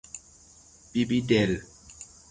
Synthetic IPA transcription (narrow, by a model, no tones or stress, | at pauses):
bibidɛl